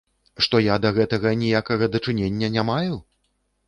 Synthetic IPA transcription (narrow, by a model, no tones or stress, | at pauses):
ʂt̪ɔjad̪ɐɣɛt̪ɐɣɐnʲijakɐɣɐd̪ɐt͡ʂɨnʲenʲːɐnʲamaju